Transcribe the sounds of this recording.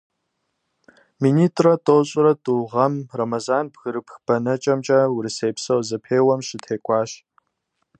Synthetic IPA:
miniːtʰʼrɐtʼoːɕʼɪɾɐtʼuʁɐmrɐmɐzaːnbɣɨɾɨpxb̥ɐnɐt͡ʃʼɐmt͡ʃʼɐwɾɨseːpsɐwzɐpʰeːwɐmɕɪtʰeːkʷʼɑːɕ

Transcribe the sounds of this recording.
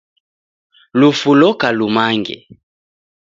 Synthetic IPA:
lufulɔkalumaŋɡɛ̰

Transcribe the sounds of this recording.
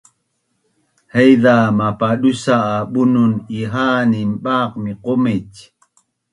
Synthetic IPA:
hejðamapaɗusaːɓununiɦaːnimɓaq̚miqomec

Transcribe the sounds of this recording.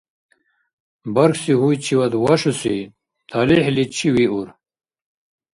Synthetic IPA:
bɐɾksiɦujt͡ɕʰiwɐd̪wɐʂusḭ | t̪ʰɐlihlit͡ɕʰiwiṵɾ

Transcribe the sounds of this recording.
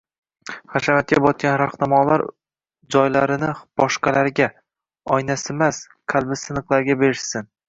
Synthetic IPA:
χaʃamat̪̚kʲʰabɒt̪̚kʲanɾaχnamɒlˠaɾ | d͡ʒɒjlaɾɪnɪb̥ɒʃqɑlaɾɡʲa | ɒjnasɪmas | kʲʰalˠbɪsɪnɨqlˠaɾɡʲabe̞ɾɪʃsɪn

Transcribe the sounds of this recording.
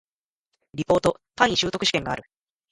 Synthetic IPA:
ɾʲipo̞ːt̪o̞t̪ãɲ̃ʲːiɕɨːt̪o̞kɯ̟ɕi̥kẽ̞ŋɡa̰ːɾɯ̟

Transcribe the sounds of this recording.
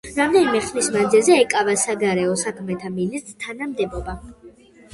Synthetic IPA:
ɾamd̪ɛnimɛχlismand̪zilˠzɛːkʼavasaɡaɾɛɔsakʰmɛt̪ʰaminist̪ʼɾt̪ʰanamd̪ɛbɔba

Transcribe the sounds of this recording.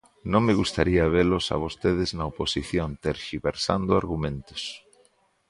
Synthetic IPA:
nõŋmeɣust̪aɾiɐβ̞elosa̰β̞ost̪eðɪznɐoposiθjont̪eɾʃiβeɾsa̰nd̪ʊaɾɣumẽnt̪o̥s

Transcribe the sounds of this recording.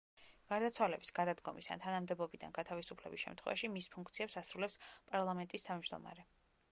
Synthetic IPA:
ɡ̥aɾd̪at̪sʰwalɛbisɡ̥ad̪ad̪ɡɔmisa̰nt̪ʰanamd̪ɛbɔbid̪a̰nɡat̪ʰavisupʰlɛ̰bisʃɛ̰mt̪ʰχwɛ̰va̰ʃimispʰuŋk̚ʰt̪sʰiɛpsasɾulɛpspʼaɾlˠamɛnt̪ʼist̪ʰavmd͡ʒd̪ɔ̰ma̰ɾɛ

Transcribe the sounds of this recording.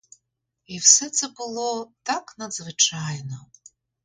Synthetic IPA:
iwsɛt̪sɛbʊlˠɔt̪ɑknɐd̪zʋɪt͡ʃɑjnɔ

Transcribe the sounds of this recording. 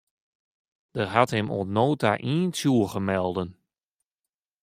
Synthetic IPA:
d̥ərɦathɛmo̰tnoːta̰ʔiːnsjuəɣəmɛlˠdən

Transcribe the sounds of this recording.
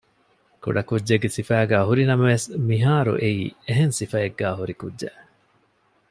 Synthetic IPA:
kṵɖɐkudːeɡːesifæːɡæːɦuɾinɐmɐʋesmiɦaːɾṵʔeḭːeɦensifɐeɡːæːɦuɾikudʒḛ

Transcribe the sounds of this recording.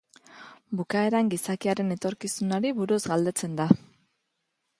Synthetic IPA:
bukae̞ɾaŋɡisakiaɾe̞ne̞t̪o̞ɾkisunaɾiβuɾuzɡald̪e̞t͡se̞nd̪a

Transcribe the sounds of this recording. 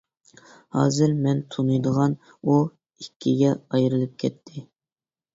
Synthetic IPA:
hɑ̰ːzɨɾmɛnt̪ʰunɨjd̪əʁɑn | u | ikʲʰːiɡʲɛɑjɾɨlˠɨp̚kʲʰɛt̪ʰːɪ

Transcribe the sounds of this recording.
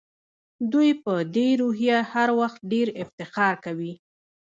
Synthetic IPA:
d̪ujpəd̪eɾuɦjahaɾwaxt̪̚ɖeɾɪft̪ɪqɑɾkawi

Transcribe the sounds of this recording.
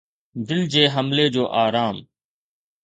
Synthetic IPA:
d̪ɪld͡ʑeːɦəmleːd͡ʑoːʔaːɾaːm

